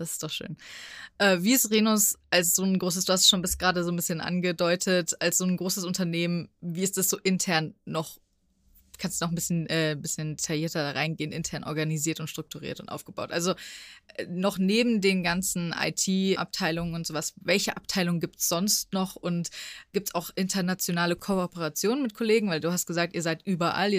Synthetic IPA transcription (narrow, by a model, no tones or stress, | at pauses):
d̥asɪ̥std̥ɔχʃø̰ːnʔɛːviːɪstʁeːnʊsʔalsz̥oːnɡʁoːs̬əsd̥uːhastʃoːnbɪstɡ̥ʁaːdəzoːnbɪsçənʔa̰nɡədɔʏtʰətalsz̥oːnɡʁoːsəsʊntɐneːmənviːɪstd̥asz̥oːʔɪntʰɛɐnːɔχ | kʰanstd̥unɔχm̩bɪsçənʔɛːbɪsçəndetʰajiːɐtɐdaːʁaɪnɡeːənʔɪntʰɛɐnʔɔɐɡaniziːɐtʊntʃtʁ̥ʊk̚tʰuʁḭːɐtʊntʔa̰ʊfɡ̥əbaʊtʔa̰lzoɛnɔχneːbm̩deːnɡant͡sn̩ʔa̰ɪtʰiːʔa̰p̚tʰaɪlʊŋənʊntz̥oːvasvɛlçəʔap̚tʰaɪlʊŋənɡiːp̚tsz̥ɔnstnɔχʊntɡ̥iːp̚tsaʊxʔɪntʰɐɐnat͡sjonaːləkʰoɔpəʁat͡sjoːnənmɪt̚kʰoleːɡŋ̩vaɪlduːhastɡ̥əzaːk̚tiːɐzaɪtʔyːbɐʔa̰li